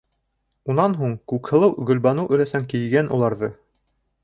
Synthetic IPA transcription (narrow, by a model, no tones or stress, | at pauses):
unɑnɦuɴkʉkhɤ̆lˠɤwɡɵ̆lbɑnɤwʔɵ̆ɾæsæŋkijɡænʔṵlˠɑɾðɤ